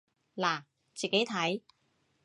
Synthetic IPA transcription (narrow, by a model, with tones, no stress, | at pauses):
laː˨˩ | t͡ɕiː˨˩ke˨˥jt̪ʰɐ˨˥j